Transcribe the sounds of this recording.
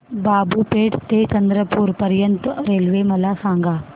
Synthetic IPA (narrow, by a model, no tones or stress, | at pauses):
baːbupeːʈʰt̪et͡ɕɐnd̪ɾəpuːɾpɐɾjənt̪ɾeːlʋemɐlasãːŋɡʱaː